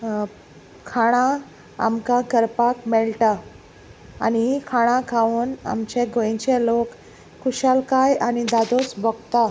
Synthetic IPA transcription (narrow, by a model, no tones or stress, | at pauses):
kʰaɽ̃ã | a̰mkakəɾpakmɛɭʈa | a̰nikʰaɽ̃ãkʰauːna̰mt͡ɕeɡoj̃t͡ɕelokːʰ | uɕalkajanid̪ad̪ʱot͡sbɔɡt̪a